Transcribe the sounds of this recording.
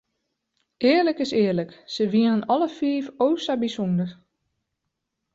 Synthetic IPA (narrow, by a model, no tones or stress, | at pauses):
ɪːərləkɪsɪːələksəʋiənənɔləfiəfoːsabisundər